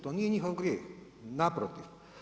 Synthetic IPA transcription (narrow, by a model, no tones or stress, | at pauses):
t̪onieɲʲixoŋɡɾie | napɾot̪if